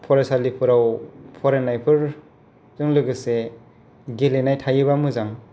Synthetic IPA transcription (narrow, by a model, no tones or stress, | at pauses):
pʰɔɾesalipʰɯɾawpʰɔɾenːajpʰɯɾ | zɯŋlɯɡɯse | ɡelenajtʰajɯbamɯzaŋ